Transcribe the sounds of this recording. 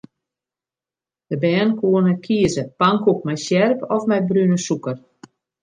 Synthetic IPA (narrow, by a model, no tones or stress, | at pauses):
d̥əbɛːnkuənəkʰiəzəpaŋkuk̚mɛjsjɛrpɔfmɛjbrynəsukər